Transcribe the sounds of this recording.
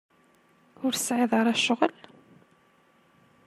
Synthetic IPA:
ʊɾsʕɪðˤɑɾˤæʃʊʁəl

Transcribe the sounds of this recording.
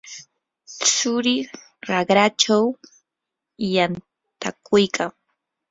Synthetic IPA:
sʊɾɪ | ɾaɢɾat͡ʃaw | jan | t̪akʰʊjkʰaŋ

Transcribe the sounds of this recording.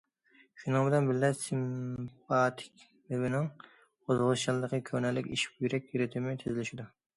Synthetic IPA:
ʃunɨŋbɪlɛnbɪllɛsimpʰɑt̪ʰɪ̥kʲ | lɪwɪnɪŋ | ozʁʊzt͡ʃɑlˠɨd̪əqʰəkʲʰøɾnɛlːɪkʲiʃi̥pjyɾɛk̚ʲjyɾɪt̪ʰɪmɪt̪ʰɪzɪlɪʃid̪u

